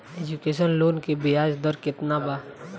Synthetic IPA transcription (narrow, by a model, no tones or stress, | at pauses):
ed͡ʒukeːʃənloːnkebɪɦaːd͡ʒd̪əɾkɪt̪nabaː